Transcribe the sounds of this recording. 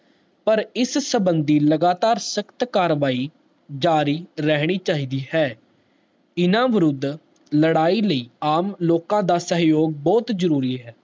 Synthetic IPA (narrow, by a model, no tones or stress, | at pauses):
pəɾɪssəbənd̪iːləɡaːt̪aːɾsəkt̪kaːɾʋaːiː | d͡ʒaːɾiːɾɛɦɽ̃iːt͡ʃaːɦiːd̪iːhɛː | ɪnãːʋɪɾʊd̪ | ləɽaːiːləiːaːmloːkãːd̪aːsəɦjoːɡ̚bɔːt̪zəɾuːɾiːɦɛː